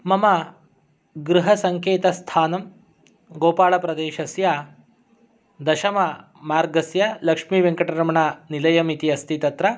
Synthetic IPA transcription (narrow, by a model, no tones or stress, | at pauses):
mɐmɐ | ɡɾuɦɐsɐŋkeːt̪ɐst̪ʰaːnɐm | ɡoːpaːɭɐpɾɐd̪eːʃɐsja | d̪ɐʃɐmɐ | maːɾɡɐsjɐlɐkʂmiːʋeŋkɐʈɐɾɐmɐɳanilɐjɐmit̪iɐst̪it̪ɐt̪ɾɐ